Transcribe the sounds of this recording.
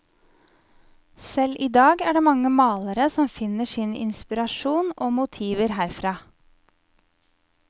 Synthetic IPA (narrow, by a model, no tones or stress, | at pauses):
sɛlʔiːd̪ɑːɡæːɖeːmɑŋːəmɑːləɾəsɔmfɪnəʂɪnɪ̰nspɪɾɑʃuːnoːmʊt̪ʰiːʋəɾɦæːɾfɾɑː